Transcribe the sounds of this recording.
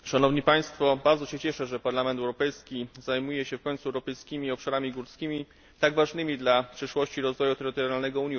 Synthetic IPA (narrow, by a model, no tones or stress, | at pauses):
ʂanɔvɲipaj̃st̪fɔbaɾd̪zɔɕɛt͡ɕɛʂɛʐɛpaɾlamɛnt̪ɛwɾɔpɛjskʲizajmujɛɕɛfkɔɲʲnt̪suɛwɾɔpɛjskʲimʲiɔpʂaɾamʲiɡuɾt̪skʲimʲi | t̪aɡvaʐnɘmʲid̪lapʂɘʂwɔɕt͡ɕiɾɔzvɔjut̪ɛɾɘt̪ɔɾjɾjalnɛɡɔuɲ